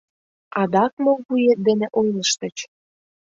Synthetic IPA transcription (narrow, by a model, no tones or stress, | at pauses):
ɑd̪ɑkmolβujet̪̚d̪enĕʔojləʃt̪ə̆t͡ɕ